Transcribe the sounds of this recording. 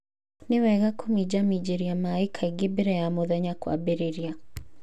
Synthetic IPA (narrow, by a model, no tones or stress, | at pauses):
newɛɣakʰomid͡ʒamid͡ʒeɾiamaekʰaiɡebeɾɛjamoðaɲakwa̰beɾeɾia